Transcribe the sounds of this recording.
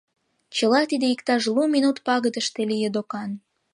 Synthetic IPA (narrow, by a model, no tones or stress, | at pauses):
t͡ɕəlɑt̪id̪eikt̪ɑʃluminut̪pɑɣəd̪əʃt̪elijed̪okɑn